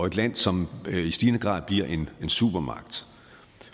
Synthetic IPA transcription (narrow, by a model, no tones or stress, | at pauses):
ɒ̽e̝d̥læn̰sɒ̽misd̥iːnəɡ̥ʁɑ̰̈ːðˠb̥liɐ̰ʔe̝ne̝nsṵb̥ɐmɑ̈ɡ̥̚d̥